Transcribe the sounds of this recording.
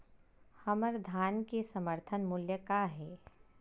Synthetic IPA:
həməɾd̪ʱaːnkesəməɾt̪ʰənmʊljəkaɦɛː

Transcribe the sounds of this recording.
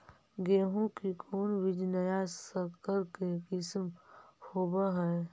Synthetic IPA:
ɡeːɦõkikʰoːnʋɪd͡ʒnəjasəkəɾkekɪsmhoːbaɦɛː

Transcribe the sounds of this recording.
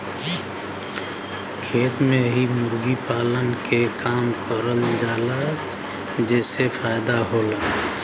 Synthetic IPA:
kʰeːt̪mẽɦimʊɾɡipaːlənkekaːmkəɾəld͡ʒaːlək | d͡ʒɛːsefʰaːɪd̪aɦoːlaː

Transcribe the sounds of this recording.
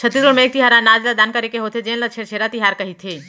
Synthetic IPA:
t͡ʃʰət̪ːisoɽmẽeːk̚t̪iɦaːɾãnaːd͡ʒlad̪aːnkɐɾekeɦoːt̪ʰed͡ʒẽːnlat͡ʃʰeːɾt͡ʃʰeːɾat̪iɦaːɾkɐɦit̪ʰeː

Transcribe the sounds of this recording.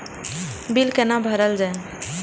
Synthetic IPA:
bilkenabʱəɾəld͡ʒae

